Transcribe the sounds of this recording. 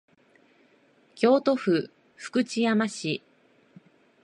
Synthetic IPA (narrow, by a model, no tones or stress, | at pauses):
kʲo̞ːt̪o̞ɸɯ̟ | ɸɯ̟̥kɯ̟t͡ɕijamaɕi